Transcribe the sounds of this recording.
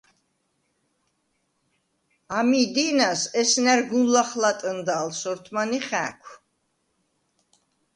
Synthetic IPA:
amiːd̪iːnasɛsnɛɾɡunlaχlat̪ʼənd̪aːlsɔɾt̪ʰmaniχæ̰ːkʷʰ

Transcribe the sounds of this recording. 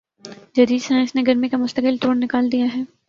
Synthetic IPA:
d͡ʒɐɾiːɾsãːɪnsneɡɐɾmikamʊst̪əkɪlt̪oːɽnɪkaːld̪ijaɦɛː

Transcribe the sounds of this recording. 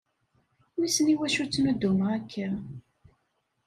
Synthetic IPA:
misəniwæʃut͡sːnʊd̪ːuməʁækʰːæ

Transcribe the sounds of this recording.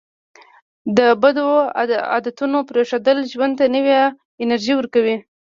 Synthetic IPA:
d̪əbad̪oa̰d̪at̪unopɾeʂad̪əlʒwand̪t̪anəwja | ɪnaɾʒiwəɾkawi

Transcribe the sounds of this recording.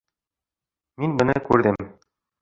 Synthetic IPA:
minbɤ̆nɘkʉɾðɘm

